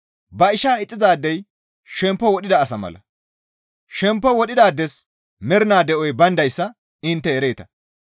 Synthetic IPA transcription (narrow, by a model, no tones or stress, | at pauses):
bɐɪʃaːɪt͡sʼːɪzaːd̪ːɛj | ʃɛmpːɔwɔɗɪd̪ɐːsɐmɐ̰lɐ̰ | ʃɛmpːɔwɔɗɪd̪aːd̪ːɛs | mɛɾɪnaːd̪ɛʔɔjbɐnd̪ɐjsːɐ | ɪnt̪ːɛːɾeːt̪ɐ̥